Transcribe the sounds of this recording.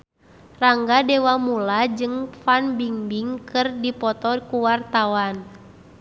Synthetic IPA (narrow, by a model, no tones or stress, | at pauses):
raŋɡadɛwamulad͡ʒɨŋfanbiŋbiŋkɨrdipɔt̪ɔkuwart̪awan